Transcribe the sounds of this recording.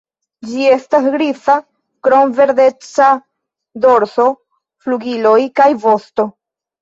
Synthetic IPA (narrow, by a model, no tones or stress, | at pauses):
d͡ʒie̞stasɡɾifa | kɾo̞mve̞ɾde̞t͡sa | do̞ɾso̞ | fluɡilo̞jkajvo̞sto̞